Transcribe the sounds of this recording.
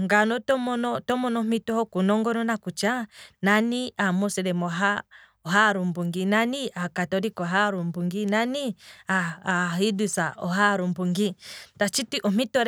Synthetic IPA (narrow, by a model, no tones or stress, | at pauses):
ŋɡanɔtɔmɔnɔtɔmɔnɔmitɔhɔkunɔŋɡɔnɔnakut͡ʃananiamɔsɛɾɛmɔɦa | ɔɦaɾumbuŋɡinaniakatɔɾikɔɦaɾumbuŋɡinaniaːidusaʔɔɦaɾumbuŋɡitat͡ʃitiʔɔm̥itɔɾ